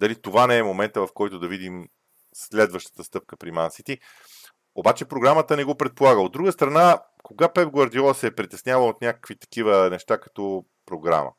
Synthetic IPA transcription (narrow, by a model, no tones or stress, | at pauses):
d̪ɐlit̪ovanɛɛmomɛnt̪əvɐfkɔjt̪ʊd̪ɐvid̪im | slɛd̪vəʃt̪ə̥t̪əst̪ɤp̚kəpɾimansit̪i | obat͡ʃɛpɾoɡɾamət̪ənɛɡopɾɛt̪̚polˠaɡəod̪ɾuɡəst̪ɾɐna | koɡapɛpɡwɐɾd̪iɔsɛpɾit̪ɛsnʲjavəot̪nʲakə̥kvit̪ɐ̥k̟ivənɛʃt̪akɐ̥t̪ɔ | pɾoɡɾa̰mə̰